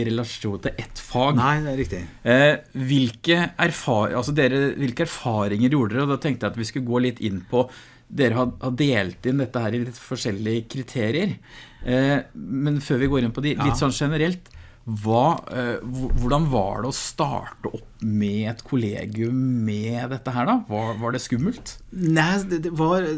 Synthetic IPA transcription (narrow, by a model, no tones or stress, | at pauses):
ɾɛlɑʂuːnt̪ʰɪlʔɛt̪fɑːɡɪɪ | ʋɪlkəæɾfɑːɑlsɔd̪eːɾəʋɪlkəæɾfɑːɾɪŋəɾjuːɖəd̪ɛɔd̪ɑːt̪ʰɛŋkt̪jæɪɑt̪ʋɪskʉləɡoːlɪt̪ːɪnːpʰɔ | d̪eːɾəhɑhɑd̪eːlt̪ɪnd̪ɛt̪ːəhæːɾɪlɪt̪ːfɔʂɛlːɪəkʰɾɪt̪ʰeːɾɪəɾ | mɛnføːɾʋɪɡoːɾɪnpʰɔd̪ɪlɪt̪sɔnːʂɛnəɾɛlt̪ | ʋɑː | ʊʋʊɖɑnʋɑ̰ɖɛɔst̪ɑ̰ːʈəʔɔpːmɛɛt̪kʰʊlḛːɡɪʉmːɛd̪ɛt̪ːəɦæːɖɑʋɑʋɑɖɛskʉmːəlt̪næɛʋɑɾ